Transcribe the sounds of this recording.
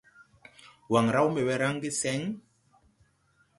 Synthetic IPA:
wa˨ŋɾa˦wmɛ˨bɛ˨ɾa˦ŋ˦ɡi˦sɛ˦ŋ

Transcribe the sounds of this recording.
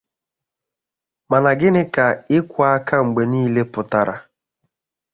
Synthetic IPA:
ma˨na˨ɡɪ˦nɪ˦ka˨ɪ˦kʷa˦ka˦ŋ͡m̩˨ɡ͡be˨niː˦le˦pʊ˨ta˦ɾa̰˦

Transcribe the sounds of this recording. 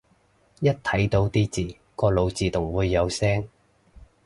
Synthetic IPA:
jɐ˥t̚t̪ʰɐ˨˥jt̪o˧wt̪iː˥t͡siː˨˩ | kɔː˧lo˨˧wt͡siː˨˧t̪ʊ˨˩ŋwuː˨˧jːɐ˨˧wsɛː˥ŋ

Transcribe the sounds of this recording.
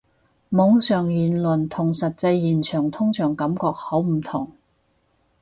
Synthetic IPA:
mʊ˨˥ŋsœː˨˩ŋjyː˨˩nlɵ˨˩nt̪ʰʊ˨˩ŋsɐ˨t̚t͡sɐ˧jːiː˨˩nt͡ʃʰœː˨˩ŋt̪ʰʊ˥ŋt͡sʰœː˨˩ŋkɐ˨˥mkɔː˧k̚ho˨˥wm̩˨˩t̪ʰʊ˨˩ŋ

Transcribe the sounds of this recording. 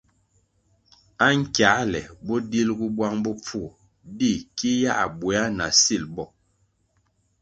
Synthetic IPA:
a˦ŋ̩˦kja˨˦lɛ˨bɔ˦di˦lɡu˦bwa˦ŋbɔ˦p͡fu˦˨ | di˦˨ki˦ja˦ʔbwɛ˨a˦na˨si˦˨lbɔ˦˨

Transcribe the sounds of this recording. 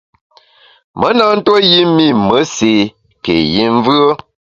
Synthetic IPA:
mə˨˦na˦n̩˦two˦ji˦mi˦˨mə˨˦se˨ | kḛ˨ji˦ɱ˦vɰə˦

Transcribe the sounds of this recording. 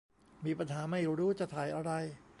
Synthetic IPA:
miː˧pa˧nɦaː˩˦ma˥˩jɾuː˦˥t͡ɕa˧˩t̪ʰaː˨˩jʔa˧ɾa˧j

